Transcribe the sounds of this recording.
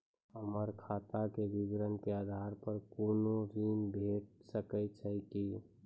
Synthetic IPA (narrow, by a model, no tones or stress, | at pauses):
ɦəməɾkʰaːt̪akebiɡɾənkeaːd̪ʱaɾpəɾkoːnoɾiːnbʱeːʈ̚səkət͡ʃʰəki